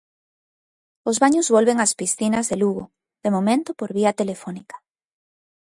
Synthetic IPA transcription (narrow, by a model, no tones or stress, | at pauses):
ozβaɲʊzβolβeŋaspisθinɐzðeluɣo̰ | ðemomẽnt̪ʊpoɾβiɐt̪elefɔnikḁ